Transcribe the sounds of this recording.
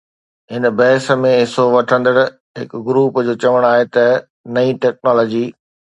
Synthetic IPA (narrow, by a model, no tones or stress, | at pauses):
ɦɪnbɛːsə̆mẽɦɪsoʋɐʈʰə̃nd̪əɽ | ɦɪkɡɾuːpd͡ʑoːt͡ɕɐʋəɽ̃aːɦet̪ɐ | nɐiʈɛːk̚nɔːlɔːd͡ʑiː